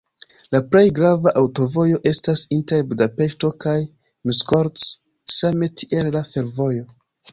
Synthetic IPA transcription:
lapɾe̞jɡɾavaʔawto̞vo̞jo̞ʔe̞stasinte̞ɾbudape̞ʃto̞kaj | misko̞ɾts | same̞tʰiʔe̞lːafe̞ɾvo̞jo̞

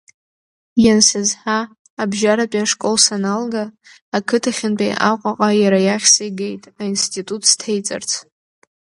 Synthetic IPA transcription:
jansɨzħaː | bʒaɾapʼaʂkʼolsanalɡaː | kʰɨtʰaχʲɪnpʼejʔaqʷʼaqʼajaɾajaχʲsɨjɡejtʼainstʰʼitʼutʰstʰejt͡sʼɨ̰rt͡sʰ

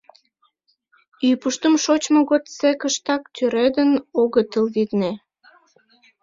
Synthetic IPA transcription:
ypuʃt̪əmʃot͡ɕmoɣot̪sekəʃt̪ɑkt̪ʲyɾed̪ənoɣət̪əlβit̪ne

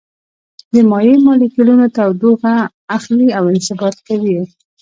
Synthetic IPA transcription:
d̪əmɑjemɑlikɪlunot̪awd̪oɣaː | xliawɪnsɪbɑt̪̚kawi

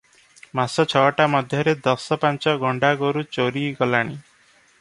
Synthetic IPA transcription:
masɔt͡ʃʰɔɦɔʈamɔd̪ʱjɔɾed̪ɔsɔpant͡ʃɔɡʱɔɳɖaɡoɾut͡ʃoɾiɡɔlaɽ̃i

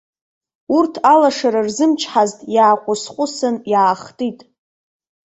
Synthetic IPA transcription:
urtʰalaʂaɾarzɨmt͡ʃʰħaztʼjaːqʷʼʊsqʷʼʊsɨnjaːχtʼitʼ

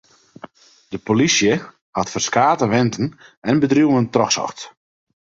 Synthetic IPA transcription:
d̥əpolisjə | hatfərskaːtəʋɪntən̩ɛnbədrjuwəntrɔxsɔ̰xt

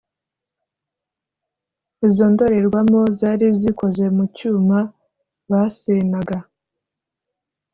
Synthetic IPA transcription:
izo̞ndo̞ɾeɾɡwamo̞zaːɾiziko̞zwe̞mucuːma | βasenaɡa

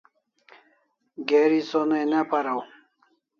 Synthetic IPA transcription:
ɡeɾisonejnapaɾaw

